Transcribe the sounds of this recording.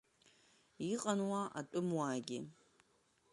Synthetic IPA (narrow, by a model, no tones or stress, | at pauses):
iqʼɐnwaʔa̰tʷʼʊmwaːɡʲɪ̰